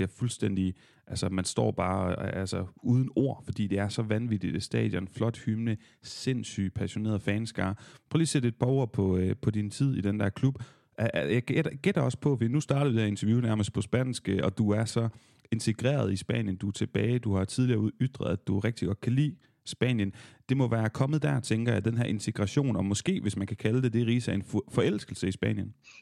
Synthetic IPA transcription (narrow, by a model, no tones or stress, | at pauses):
iɐfulsd̥en̰d̥i | ʔælsəmænsd̥ɒ̰ːb̥ɑ̈ːælsəuːð̞ˠn̩o̝ɐ̰fɒ̽d̥ḭːd̥e̝æɐsɒ̽ʋænʋid̥id̥esd̥ɛ̰ːðˠjəenflɒ̽d̥hymnə | se̝nsy̰ːpʰæɕo̝ne̝̰ːɐð̩ˠfɛːnsɡ̥ɑ̈ːpʰʁœːliːsed̥e̝d̥̚pʰɑ̈o̝ɐ̰pʰɒ̽pʰɒ̽d̥int͡sʰið̞̰ˠid̥end̥æɐkʰlub̥ | ʔæjaɡ̥eɐɡ̥ed̥ɐɒ̽spʰɒ̽fɒd̥ḭːnusd̥ɑ̈ːɾ̥ɐʋid̥hɐe̝nt͡sʰɐjunæɐməsd̥̚pʰɒ̽sb̥æn̰sɡ̥əɒ̽d̥uæɐsɒ̽ | e̝nt͡sʰe̝ɡ̥ʁḛːɐð̞ˠisb̥ɛ̰ːnjənd̥uæt͡sʰe̝b̥ɛːɪd̥uhɑ̈t͡sʰiðˠliɐːuyd̥ʁɐð̩ˠæd̥uʁeɡ̥̚d̥iɡ̥ɒ̽d̥̚kʰælḭː | sb̥ɛ̰ːnjənd̥e̝mɒ̽ʋæːɐkʰɒ̽məð̞̩ˠd̥æɐt͡sʰeŋɡ̥ɐjɑ̈ɪd̥enɦæɐe̝nt͡sʰe̝ɡ̥ʁɑɕo̝̰ːnɒ̽mɒ̽sɡ̥e̝̰ːʋe̝smænkʰækʰæləd̥e̝d̥e̝ʁiːsæe̝nfɒ̽el̰sɡ̥l̩səisb̥ɛ̰ːn̰jən